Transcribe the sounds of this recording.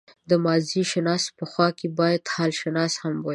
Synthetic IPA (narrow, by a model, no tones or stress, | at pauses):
d̪əmɑziʃɪnɑspəxwɑkebɑjad̪hɑlʃɪnɑshamwa